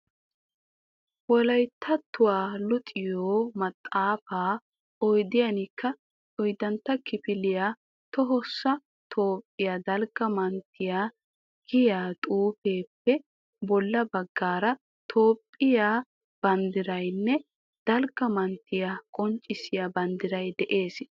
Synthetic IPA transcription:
wɔlɐjt̪ʰːɐt̪ːʊwaːlʊt̪ʼɪjoːmɐt̪ʼːaːfaː | ɔjd̪ɪjɐnɪkʰːɐ | ɔjd̪ɐnt̪ːɐkɪpɪlɪjaː | t̪ɔɦɔsːɐ | t̪ʰo̞ːpʼːɪjaːd̪ɐlɡɐmɐnt̪ʰːɪja | ɡ̥ɪjaːt̪ʼuːpe̞ːpːɛ | bɔlːɐbɐɡːaːɾɐ | t̪ʰo̞ːpʼːɪjaː | b̥ɐnd̪ɪɾɐjnːɛ | d̪̥ɐlɡɐmɐnt̪ːɪjakʼɔnt͡ʃʼːɪsɪjabɐnd̪ɪɾɐjd̪ɛʔe̞ːs

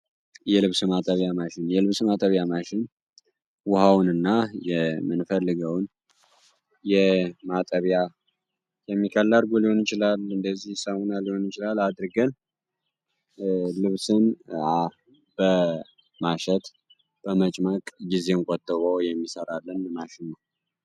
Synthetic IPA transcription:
jɛlɨβsɨmat̪ʼəβjamaʃɪnjɛlɨβsmat̪ʼəβjamaʃɪn | wʊhawnɨnːajɛmɨnfəlːɨɡəwn | jɛmat̪ʼəβja | jɛmːikʰəlːaɾɡoliho̞njɪt͡ʃɪlalɨnd̪əzːihsəmonaliho̞njɪt͡ʃɪlalad̪ɾɡən | lɨβsɨna | b̥ə | maʃɛt̪ | b̥əmət͡ʃʼmakʼɡize̞nkʼot̪ʼːəβowjɛmːisəɾalːənmaʃɪnːəw

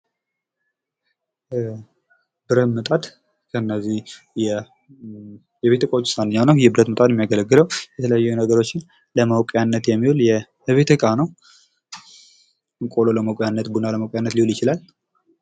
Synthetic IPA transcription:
bɨɾət̪mɨt̪ʼad̪ | kʰəɨnːəzih | jɛ | jɛβet̪əkʼawot͡ʃːɪ̥sanːɨɲːawnəwjɛbɨɾət̪mət̪ʼat̪ɛmːijaɡələɡːɨləwjɛt̪ʰələjajːunəɡəɾo̞t͡ʃːɪn | ləməwkʼjanːət̪jɛmːihuljɛ | βe̞t̪ʰəkʼanəw | ɨŋkʼololəməwkʼjanːət̪bunaləməwkʼjanːət̪liholjɪt͡ʃɪlal

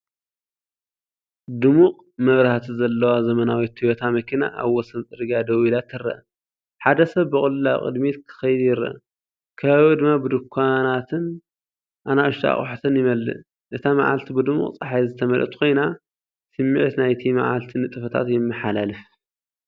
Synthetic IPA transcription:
d̪ɨmuqʼ | mɐβɾaht̪ʰizɐlːɐwazɐmɐnawit̪ːɨjot̪ʰamɐkʰina̰ʔaβwɔsɐnt͡sʼɨɾɨɡad̪ɐwilat̪ʰːɨɾːɐ̰ʔ | ħad̪ɐsɐβːɨkʼʊlɨlakʼɨ̰d̪mit̪kʰɨ̥xɐjɪd̪jɪɾɐ̰ʔ | kʰɐβaβiwod̪ɨmːabɨd̪ɨkʰʷːanat̪ʰɨn | ʔanaʔɨʃt̪ʰa̰χʼħt̪ʰɨnjɪmɐlːɨ̰ | ʔɨt̪ʰama̰ʕa̰lt̪ʰibɨd̪ɨmṵqʼt͡sʼɐħajzɨt̪ʰɐmɐlʔɐ̰t̪kʰo̞jna | sɨmːiʕt̪najt̪ʰima̰ʕa̰lt̪ʰinɨt̪ʼɨfɐt̪ʰa̰t̪jɪmːɨħalalɨf

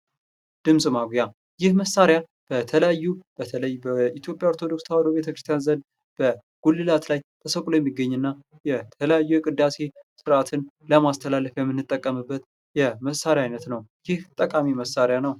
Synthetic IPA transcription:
d̪̥ɨmsʼmaɡʷja | jɪhməsaɾja | b̥ət̪ʰələjajːub̥ət̪ʰələjbəit̪ʰjo̞pʼjaoɾt̪ʰo̞d̪o̞ksʰawad̪obet̪ʰəkɾɨst̪ʰjanzən | b̥ə | ɡ̥ulːɨlat̪lajt̪ʰəsəkʼulojɛmːiɡːəɲːɨnːa | jɛt̪ʰələjajːujɛkʼɨd̪ːase̞sɨɾat̪ʰɨn | ləmast̪ʰəlalːəfjɛmːɨnːɨt̪ʼːəkʼːəmɨbːət̪ | jɛməsaɾjajnət̪nəwjɪht̪ʼəkʼamiməsaɾjanəw

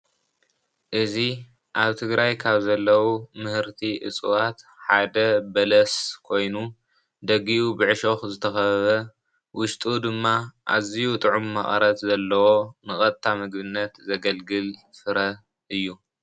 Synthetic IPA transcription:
ʔɨzi | ʔaβt̪ʰɨɡɾajkʰaβzɐlːɐwumɨhɨɾt̪ʰiʔɨ̰t͡sʼuwat̪ħad̪ɐbɐlɐskʰo̞jnu | d̪ɐɡiʔubɨʕɨʃo̞xzɨt̪ʰɐxɐβɐβɐ | wʊʃt̪ʼud̪ɨmːaʔa̰zijut̪ʼɨʕumːɐχʼɐɾɐt̪zɐlːɐwo̞nɨxʼɐt̪ʼt̪ʰːamɨɡβɨnːɐt̪zɐɡɐlɡɨlfɨɾɐ | ʔɨjːu

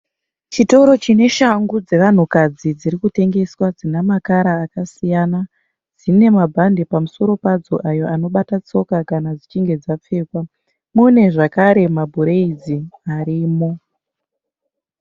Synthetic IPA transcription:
t͡ʃito̞ɾo̞t͡ʃine̞ʃaŋɡud͡ze̞ʋan̤ukad͡zid͡ziɾikute̞ŋɡe̞swad͡zinamakaɾaːkasijana | d͡zine̞mabʱande̞pamuso̞ɾo̞pad͡zo̞̰ʔajo̞ʔano̞ɓatat͡so̞kakanad͡zit͡ʃiŋɡe̞d͡zap͡fe̞ːkwa | mune̞ʐakaɾe̞mabʱuɾe̞id͡ziaɾiːmo̞

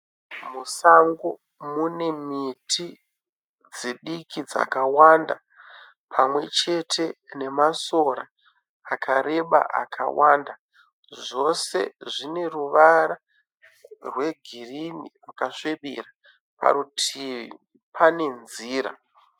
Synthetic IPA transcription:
musaŋɡo | mune̞mitʰi | d͡ziɗikʰid͡za̰kawanda | pʰamwe̞̰t͡ʃe̞tʰe̞ne̞maso̞ɾa | akʰaɾe̞ɓa̰ʔa̰kʰa̰wanda | ʐʐo̞se̞̰ʐine̞ruʋaɾa | rwe̞ɡʱirinḭakaʂeɓḭra | pa̰ɾutʰii | pʰane̞nziːɾa̰

